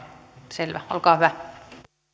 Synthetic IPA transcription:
selʋæ̰o̰lkɑːhyʋæ

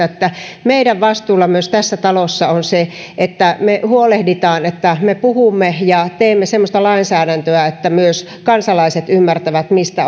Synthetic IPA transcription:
et̪ːæmeiɾæʋʋɑst̪uːlːɑmyøst̪æsːæt̪ɑlosːɑonse | ʔet̪ːæmehuolehdit̪ɑːnet̪ːæmepuhumːejɑt̪eːmːesemːost̪ɑlɑinsæːɾænt̪øæet̪ːæmyøs | kɑnsɑlɑiset̪ymːært̪æʋæt̪mist̪æ

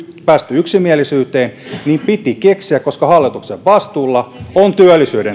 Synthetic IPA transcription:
pæːst̪yyksimiælisyːt̪eːnniːmpit̪ikeksiækkoskɑhɑlːit̪ukseʋʋɑst̪uːlːɑont̪yælːˑisyːɾe

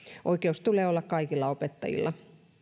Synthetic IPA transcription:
ʔoikeust̪uleːolːɑkkɑikilːɑopet̪ːɑ̰jḭlːɑ

